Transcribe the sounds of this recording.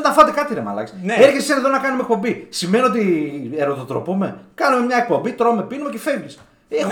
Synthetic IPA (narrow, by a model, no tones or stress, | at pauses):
nt̪ɐfɐt̪ekɐt̪iɾemɐ̰lɐ̰kseɾçesseneðonɐkɐnume̞k̚po̞mbisimenio̞t̪̬ieɾot̪ot̪ɾo̞̰pume̞kɐnume̞mɲɐek̚po̞mbit̪ɾo̞mepinumecefevlis | ex